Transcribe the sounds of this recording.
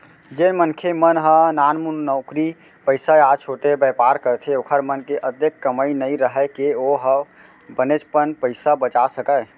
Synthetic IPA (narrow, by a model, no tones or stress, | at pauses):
d͡ʒenmənkʰemənɦənanmunnəʊkɾi | pəɪsaat͡ʃʰoʈebəpaɾkəɾt̪ʰeokʰəɾmənkeʔəd̪ekːəməjnəjɾəɦɛkeoɦə | bənet͡ʃpənpəɪsabət͡ʃasəkə